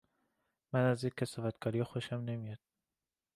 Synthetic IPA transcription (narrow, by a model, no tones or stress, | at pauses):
mænæzjekʲʰːesɒːvæt̪kʰɒːɾijɒxoʃæmne̞mijɒd̪̥̚